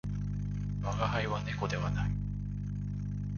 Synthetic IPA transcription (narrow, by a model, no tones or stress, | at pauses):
βaɡahaiβane̞ko̞d̪e̞βanai